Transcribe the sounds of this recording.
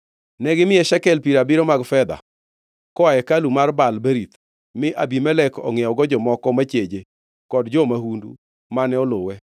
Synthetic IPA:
nɛɡɪmɪɛʃɛkɛlpiɾabiɾɔmaɡfɛd̪a̰ | kɔajɛkalumarbalbeɾit̪ | mɪʔabimɛlɛkɔ̰ŋɪjɔɡɔd͡ʒɔmɔkɔmat͡ʃed͡ʒe | kɔdd͡ʒɔmahundṵ | manɛɔlowɛ

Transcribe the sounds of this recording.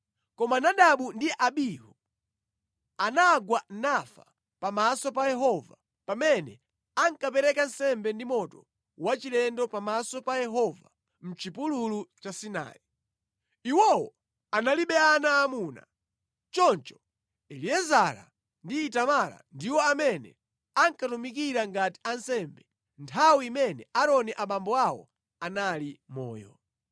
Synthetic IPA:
kɔmanaɗaɓundiʔaɓihu | anaɡwanafa | pamasɔpajɛɦɔva̰ | pamɛnɛ | aŋkapɛɾɛkan̩sɛmbɛndimɔtɔ | wat͡ʃilɛndɔpamasɔpajɛɦɔva̰ | m̩t͡ʃipululut͡ʃasina̰ːi | iwɔwɔ | analiɓɛanaːmuna̰ | t͡ʃɔnt͡ʃɔ̥ | ɛliɛzaɾa̰ | ndiːtamala̰ndiwɔamɛnɛ̰ | aŋkatumikiɾaŋɡati̥ansɛmbɛ | ntʰawiimɛnɛaɾɔniʔaɓambɔawɔ̰ | analimɔ̰ːjɔ̰

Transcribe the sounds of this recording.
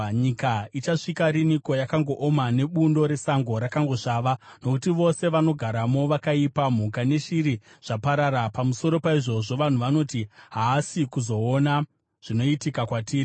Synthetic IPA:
ɲikait͡ʃaʂikaɾiniko̞jakaŋɡo̞ʔomane̞ɓundo̞ɾe̞saŋɡo̞ɾakaŋɡo̞ʂaːʋano̞kutiʋo̞se̞ʋano̞ɡʱaɾamo̞ʋakaipam̤ukane̞ʃiɾiʐ̥apaɾaɾapamuso̞ɾo̞paiʐo̞ʐo̞ʋan̤uʋano̞tiɦaːsikuzo̞ːna | ʐ̥ino̞itikakwatiːri

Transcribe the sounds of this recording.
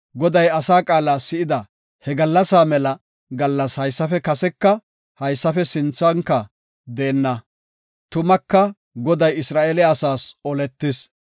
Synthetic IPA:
ɡɔd̪ɐjɐsaːkʼaːlaːsɪɪd̪ɐ | hɛɡɐlːɐsaːmɛlɐ | ɡɐlːɐshɐjsːɐfɛkɐsɛkːɐ | hɐjsːɐfɛsɪnt͡sːɐŋkːɐ | d̪eːnːɐ | t̪ʊmɐkːɐ | ɡɔd̪ɐjɪsɾaːʔeːlɛɐsaːsɔlɛt̪ːɪs

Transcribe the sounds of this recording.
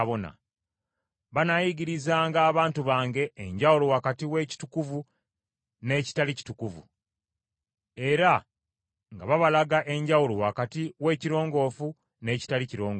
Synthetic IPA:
βona̰ | βanajiɡiɾizaːŋɡaːβaːntuβaːŋɡe̞ːɲɟawulowakatiwe̞ːci̥tukuvu | ne̞ːci̥talici̥tukuvṵ | e̞ɾa | ŋɡa̰βaβalaɡaʔe̞ɲɟawulowakatiwe̞ːciɾo̞ːŋɡo̞ːfu | ne̞ːci̥taliciɾo̞ːŋɡ

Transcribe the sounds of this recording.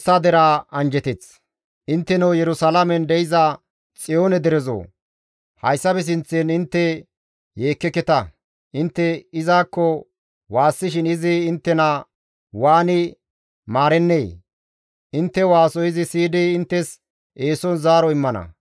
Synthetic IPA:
sːaːd̪ɛɾaːɐnd͡ʒɛt̪ɛt͡s | ʔɪnt̪ːɛnɐwjɛɾʊsalɐmɛnd̪ɛjɪza | t͡sʼɪjoːnɛd̪ɛɾɛzo̰ː | hɐjsːɐbɛs̬ɪnt͡sːɛnɪnt̪ːɛ | je̞ːkːɛkːɛt̪ɐ | ʔɪnt̪ːɛɪzaːkːɔ | waːsːɪʃɪnɪzɪːnt̪ːɛna | waːnɪ | maːɾɛnːeː | ʔɪnt̪ːɛwaːsɔjɪzɪsiːd̪iɪnt̪ːɛs | ʔeːsɔnzaːɾɔɪmːɐnɐ̰

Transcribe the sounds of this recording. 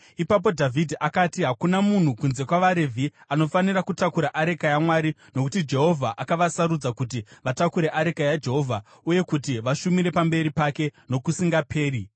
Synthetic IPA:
ipap̬o̞dʱavʱidʱiʔakatiɦakunamun̤ukunze̞kwaʋaɾevʱiano̞fanirakutakuɾaʔaɾe̞kajamwaːɾino̞kutid͡ʒe̞ɦo̞vʱaʔakaʋasaɾud͡zakut̬iʋatakuɾe̞ʔaɾekajad͡ʒe̞ɦo̞vʱa | uje̞kutiʋaʃumiɾe̞pambe̞ɾipake̞no̞kusiŋɡapʰe̞ːri

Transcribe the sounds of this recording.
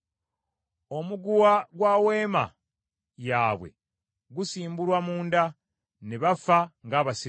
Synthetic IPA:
o̞muɡuwaɡwaːwe̞ːma̰ | jaːβwe̞̰ | ɡusiːmbuɾwamuːnda | neβafaŋɡaːβasi

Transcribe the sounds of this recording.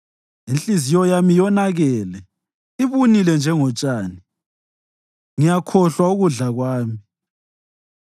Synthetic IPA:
int͡ɬʼizijɔjamijɔnaɣɛlɛ | iβunilɛnd͡ʒʱɛŋɔt͡ʃʼaːni | ŋijakʰɔɬwauɣuɮaɣwaːmi

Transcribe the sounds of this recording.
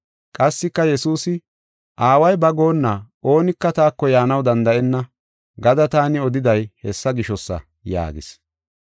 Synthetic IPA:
kʼɐsːɪkːɐjɛsuːsɪ | ʔaːwɐjbɐɡo̞ːnːa | o̞ːnɪkːɐt̪aːkːɔjaːnɐwd̪ɐnd̪ɐʔɛnːɐ | ɡɐd̪ɐt̪aːnɪɔd̪ɪd̪ɐjhɛsːɐɡɪʃɔsːɐ̰ | ja̰ːɡɪ̰s

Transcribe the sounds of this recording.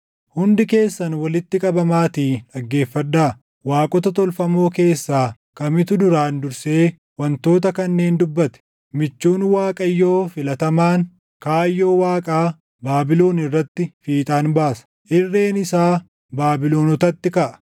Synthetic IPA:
hʊnd̪ɪke̞ːsːɐnwɐlɪt̪ːɪkʼɐbɐmaːt̪iːᶑɐɡːe̞ːfːɐd̪ːaː | waːkʼɔt̪ɐt̪ɔlfɐmo̞ːke̞ːsːaː | kɐmɪt̪ʊd̪ʊɾaːnd̪ʊɾse̞ː | wɐnt̪o̞ːt̪ɐkɐnːe̞ːnd̪ʊbːɐt̪ɛ̥ | mɪt͡ʃːuːnwaːkʼɐjːo̞ːfɪlɐt̪ɐmaːŋ | kaːjːo̞ːwaːkʼaː | baːbɪlo̞ːnɪrːɐt̪ːɪfiːt̪ʼaːnbaːsɐ̥ | ʔɪrːe̞ːnɪsaː | baːbɪlo̞ːnɔt̪ɐt̪ːɪkɐʔɐ̥

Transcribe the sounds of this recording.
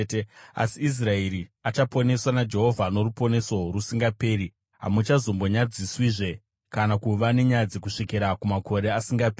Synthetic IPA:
ta̰siis̬raeɾiat͡ʃapo̞ne̞swanad͡ʒe̞ɦo̞vʱano̞ɾupo̞ne̞so̞rusiŋɡape̞ːɾi | ɦa̰mut͡ʃazombo̞ɲad͡ziswiʐe̞ | kanakuʋane̞ɲad͡zekuʂikiɾakumako̞ɾe̞asiŋɡapːi

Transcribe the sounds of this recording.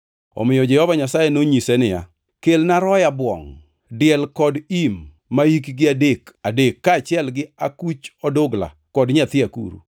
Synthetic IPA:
ɔ̰mɪjɔd͡ʒɛhɔvaɲasajenoɲisɛnɪja̰ | kelnaɾɔjabwɔ̰ŋ | dɪɛlkɔdimː | aikɡɪadekadekːaːt͡ʃɪɛlɡɪakut͡ʃɔdoɡla̰ | kɔdɲat̪ɪakṵɾṵ

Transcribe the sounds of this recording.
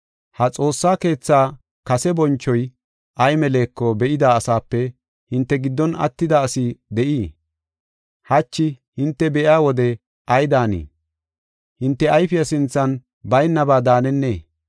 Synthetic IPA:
hɐt͡sʼo̞ːsːaːke̞ːt͡sːaː | kɐsɛbɔnt͡ʃːɔj | ʔɐjmɛle̞ːkːɔbɛʔɪd̪aːsaːpːɛ | hɪnt̪ːɛɡɪd̪ːɔnɐ̰t̪ːɪd̪aːsɪd̪ɛʔiː | hɐt͡ʃːɪ | hɪnt̪ːɛbɛʔjaːwɔd̪ɛ | ʔɐjd̪aːnḭː | hɪnt̪ːɛɐjfɪjɐsɪnt͡sːɐn | bɐjnːɐbaːd̪aːnɛnːḛː

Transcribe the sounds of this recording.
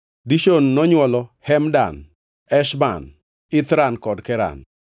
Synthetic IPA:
diʃonːɔɲwɔlɔhɛmda̰n | ɛʃba̰n | ɪt̪ɾankɔdkɛɾa̰n

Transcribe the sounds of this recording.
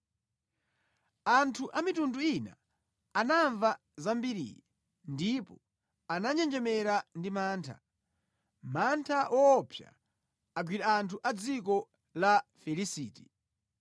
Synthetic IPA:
antʰuʔamitunduina̰ː | naɱva | zambiɾḭːɾɛ | ndipɔ | anaɲɛnd͡ʒɛmɛɾandimaːntʰa̰ | mantʰaʔɔːpʰja̰ | aɡwiɾaantʰuʔad͡zikɔ | lafɛlisiːti

